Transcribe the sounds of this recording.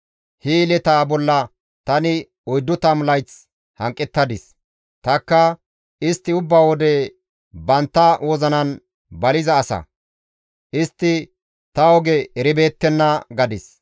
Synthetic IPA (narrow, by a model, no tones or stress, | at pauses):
hilɛt̪aːbɔlːɐ | t̪ɐnɪ | ɔjd̪ːʊt̪ɐmlɐjt͡s | hɐŋkʼːɛt̪ːɐd̪ɪs | t̪ɐkːɐ | ʔɪst̪ːɪʊbːaːwɔd̪ɛ | bɐnt̪ːɐwoːzɐnɐn | bɐlɪzɐːsɐ̰ | ʔɪst̪ːɪ | t̪ɐɔɡɛɛɾɪbe̞ːt̪ːɛnːɐɡɐd̪ɪs